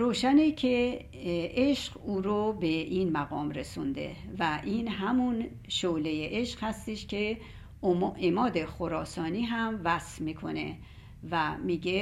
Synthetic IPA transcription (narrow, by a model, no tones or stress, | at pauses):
ɾoːʃænecʰe | ʔeʃɢuːɾobe̞ʔinmæɣɒːmɾe̞sṵnd̪ḛvæʔiːnɦæmun | ʃolejeʔeʃqhæst̪eʃcʰe | ʔemɒːd̪e̞xoɾɒːsɒːniːɦæmvæsfmiːkʰo̞̰nḛ | væmiːɡe